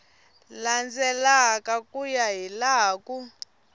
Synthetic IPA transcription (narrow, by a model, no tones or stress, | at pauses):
land͡zɛlakʼakʼujaɦilaːkʼu